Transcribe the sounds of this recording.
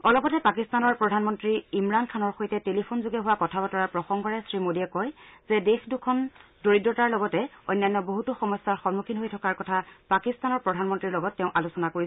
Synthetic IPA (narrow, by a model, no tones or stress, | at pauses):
ɔlɔpɔtɛpakistanɔɹpɹɔdʱanmɔntɹiimɹankʰanɔɹxojtɛtelipʰonzuɡɛɦʊwakɔtʰabɔtɔɹapɹɔxɔŋɡɔɹɛsɹimodiɛkɔjz̥ɛdexdukʰɔndoɹidɹɔtaɹlɔɡɔtɛɔ̰jnːjanːɔboɦutuxɔmɔstaɹxɔnmukʰinɦojtʰɔkaɹkɔtʰapakistanɔɹpɹɔdʱanmɔntɹiɹlɔɡɔtːɛʊ̃ʔalusɔnakoɹisɛ